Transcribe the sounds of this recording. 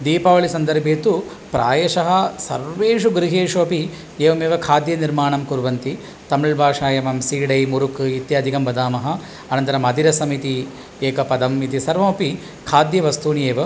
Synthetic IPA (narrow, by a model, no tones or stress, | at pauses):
d̪iːpɐːʋɐɭisɐnd̪ɐɾbʱit̪u | pɾʔaːjɐʃɐɦɐ̆sɐ̰ɾʋeːʂ̬uɡɾiɦeːʂuɐpi | eːʋɐmeːʋɐkʰaːd̪jɐniɾmaːɳɐmkuɾʋɐnt̪i | t̪ɐmiɭbʱaːʂaːjɐmɐmsiːɽɐjmuɾukit̪jaːd̪ʱikɐmbɐd̪aːmɐɦɐ | ɐnɐnt̪ɐɾɐmɐd̪iɾɐsɐmit̪i | eːkɐpɐd̪ɐmit̪isɐɾʋɐmɐpi | kʰaːd̪jɐʋɐst̪uːnijeːʋɐ